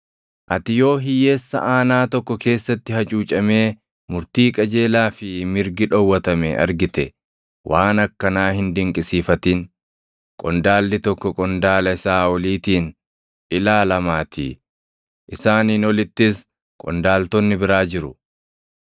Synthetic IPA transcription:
ʔɐt̪ɪjo̞ːɦɪjeːsːɐ̰ʔaːnaːt̪ɔkːɔke̞ːsːɐt̪ːɪhɐt͡ʃʼuːt͡ʃʼɐme̞ː | mʊɾt̪iːkʼɐd͡ʒe̞ːlaːfɪmɪɾɡɪᶑɔwːɐt̪ɐmɛ̰ɐ̰ɾɡɪt̪ɛ | wʔaːnɐkːɐnaːhɪnd̪ɪŋkʼɪsiːfɐt̪iːn | kʼɔnd̪aːlːɪt̪ɔkːɔkʼɔnd̪aːlɐɪsaːwɔliːt̪iːn | ʔɪlaːlɐmaːt̪ʰḭː | ʔɪsaːniːnɔlɪt̪ːɪs | kʼɔ̰nd̪aːlt̪ɔnːɪbɪɾaːd͡ʒɪɾʊ

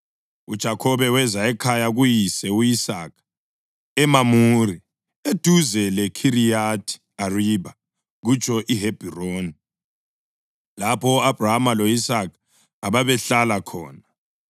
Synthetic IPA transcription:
ṵd̥ʒ̥ʱakʰɔβɛwɛzaɛkʰajaɣujisɛuisaːkʰḁ | ɛmamuri | ed̥ʱuzɛlɛkʰiɾijatʰi̥ | ariβa | ɣut͡ʃʼʰɔʔiɦeb̥ʱiroːni | lapʰɔab̥ʱraɦamaloisakʰa | aβaβɛɬalakʰɔ̰ːna

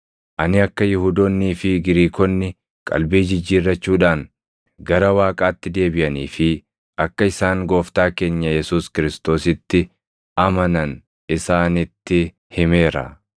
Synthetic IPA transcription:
ʔɐnɪɐkːɐjʊhuːd̪oːnːiːfɪɡɪɾiːkɔnːɪ | kʼɐ̰lbiːd͡ʒɪd͡ʒːiːɾːɐt͡ʃːuːᶑaːŋ | ɡɐɾɐwaːkʼaːt̪ːɪd̪e̞ːbɪʔɐniːfɪ | ʔɐkːɐɪsaːŋɡo̞ːft̪aːke̞ːɲːɐjɛsuːskɪɾɪst̪o̞ːsɪt̪ːɪ | ʔɐmɐnɐn | ʔɪsaːnɪt̪ːɪ | hɪme̞ːɾɐ̰

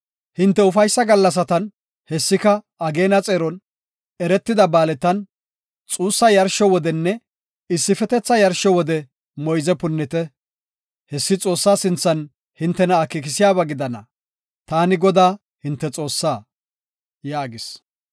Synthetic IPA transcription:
hɪnt̪ːɛʊfɐjsːɐɡɐlːɐs̬ɐt̪ɐn | hɛsːɪkɐ | ɐɡe̞ːnɐt͡sʼeːɾɔn | ɛɾɛt̪ːɪd̪ɐbaːlɛt̪ːɐn | t͡sʼuːsːɐjɐɾʃɔwɔd̪ɛnːɛ | ɪsːɪfɛt̪ɛt͡sːɐjɐɾʃɔwɔd̪ɛ | mɔjzɛpʊnːɪt̪ɛ | hɛsːɪt͡sʼo̞ːsːaːsɪnt͡sːɐn | hɪnt̪ːɛnɐːkːɪk̬ɪsɪjaːβɐɡɪd̪ɐnɐ | t̪aːnɪɡɔd̪aː | hɪnt̪ːɛt͡sʼo̞ːsːaː | jaːɡɪs

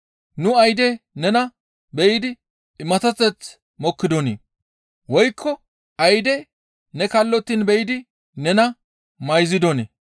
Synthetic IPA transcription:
nʊɐjd̪ɛnɛnɐ | bɛjɪd̪ɪ | ɪmɐt̪ɐt͡sːɛt͡s | mɔkːɪd̪ɔnḛː | wɔjkʰːɔ | ɐjd̪ɛ | nɛkɐlːɔt̪ːɪnbɛjɪd̪ɪ | nɛnɐ | mɐjzɪd̪ɔnḛ

